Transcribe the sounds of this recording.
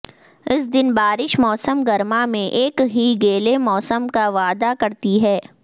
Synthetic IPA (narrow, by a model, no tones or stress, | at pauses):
ɪs̬d̪ɪnbaːɾɪʃmɔːsəmɡɐɾmamẽʔeːkɦiɡeːlemɔːsəmkaʋaːd̪akɐɾt̪iɦɛː